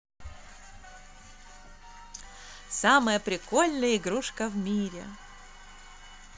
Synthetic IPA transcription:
saməjəpɾʲɪkolʲnɨjəɪɡɾuʂkəvmʲiɾʲɪ̰

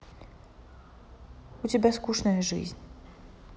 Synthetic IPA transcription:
ut͡ɕʲɛbʲaskuʂnɐjʐɨ̰zʲnʲ

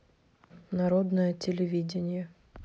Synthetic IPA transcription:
nɐɾod̪nəjətʲɪlʲɪvʲidʲɪnʲɪjə

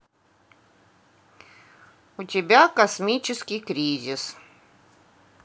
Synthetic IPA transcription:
ʊt̪ʲɪbʲækɐsmʲit͡ʃʲɪskʲikɾʲizʲɪs

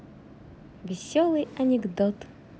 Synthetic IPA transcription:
vʲɪsʲɔlˠɨjɐnʲɪɡd̪ɔt̪

